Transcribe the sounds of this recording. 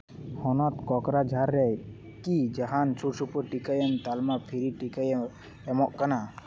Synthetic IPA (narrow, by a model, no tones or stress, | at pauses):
hɔnɔt̪kɔkɾad͡ʒʱaɾːɛ | kid͡ʒaɦansʰuɾsupuʈikəjənt̪almapʰiɾiʈikəj | ɛmɔʔkana